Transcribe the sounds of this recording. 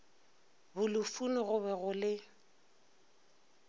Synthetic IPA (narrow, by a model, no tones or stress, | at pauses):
bʊlʊfunɔɣʊβɛɣʊlɪ